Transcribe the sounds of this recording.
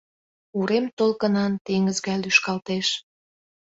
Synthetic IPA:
uɾemt̪olkənɑnt̪eŋəzɣælyʃkɑlt̪eʃ

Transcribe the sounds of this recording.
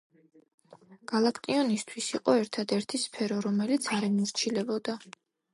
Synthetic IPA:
ɡ̥alˠakʰt̪ʼiɔnist̪ʰwisiqʼɔɛɾt̪ʰad̪ɛɾt̪ʰispʰɛɾɔɾɔmɛlit̪sʰaɾɛmuɾt͡ʃʰilɛbɔd̪a

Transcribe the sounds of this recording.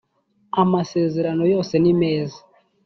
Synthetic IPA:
amaseːzeɾanojosenimeːzi

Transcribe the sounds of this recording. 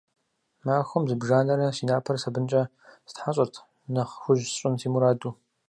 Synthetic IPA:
maːxʷʊmzɨbʒaːnɐɾɐsiːnaːpʰɐrsɐbɨnt͡ʃʼɐ | sɨ̥tħaɕʼɐrtʰ | nɐχxʷʊʒsɕʼʊntʰiːmuɾaːduː

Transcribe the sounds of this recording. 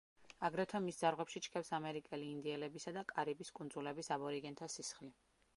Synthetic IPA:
aɡɾɛt̪ʰamisd̪aɾʁwɛpʃit͡ʃʰkʰɛpsamɛɾikʼɛliːnd̪iɛlɛbisad̪akʼaɾibiskʼund̪zulɛbisabɔɾiɡɛnt̪ʰasisχli

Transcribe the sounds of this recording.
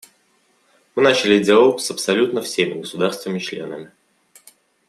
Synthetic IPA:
mɨnat͡ɕɪlʲɪdʲealˠosəpsɐlʲut̪nəfsʲemʲɪɡəsʊd̪arst̪vʲɪnəɪt͡ɕlʲe̞̰nəmʲɪ

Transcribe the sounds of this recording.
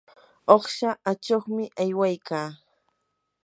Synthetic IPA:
oχʃaat͡ʃoχmɪʔajwajkaː

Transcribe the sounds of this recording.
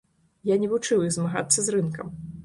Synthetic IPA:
janʲɛvut͡ʂɨwjizmaɣa̰t̪sːɐzrɨnkɐm

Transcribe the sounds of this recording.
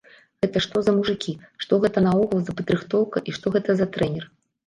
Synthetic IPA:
ɣɛt̪ɐʂt̪ɔzɐmuʐɨkʲiʂt̪ɔɣɛt̪ɐnɐɔɣɐlˠzɐpɐd̪ɾɨxt̪ɔwkɐʔiʂt̪ɔɣɛt̪ɐzɐt̪ɾɛnʲɛr

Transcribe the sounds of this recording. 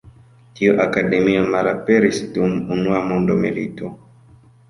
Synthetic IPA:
tiuʔakademiomalapeɾisdumunuamondomilito

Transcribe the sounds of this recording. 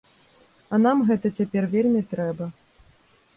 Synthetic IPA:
ɐn̪amɣɛt̪ɐt͡sʲapʲɛrvʲelʲmʲit̪ɾɛbɐ

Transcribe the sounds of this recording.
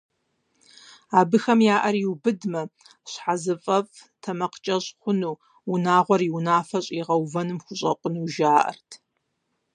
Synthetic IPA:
aːbɨxɐmjaːʔɐrjiwbɨdmɐ | ɕħazɨfʼɐfʼtʰɐmɐqə̥t͡ʃʼɐɕʼχʷʊnuː | ʊnaːʁʷɔriwnaːfɐɕʼiʁɐwvɐnɨmxʷʊɕʼɐqʷʼʊnuːʒaːʔɐ̰rtʰ

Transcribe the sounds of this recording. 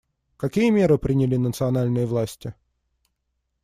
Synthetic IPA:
kɐkʲijəmʲe̞ɾɨpɾʲɪnʲɪlʲinət̪sɨɐnalʲnɨjəvlˠasʲtʲɪ

